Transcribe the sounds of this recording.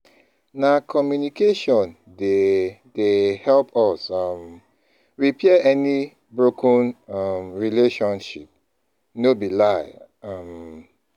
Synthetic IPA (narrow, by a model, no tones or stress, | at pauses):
nakʰɔmjunikʰeʃɔ̃n | dedehɛlpʰɔsam | ɹipʰɛəɛni | bɹokʰə̃namɹileʃɔ̃nʃip̚ | nobilaɪ | am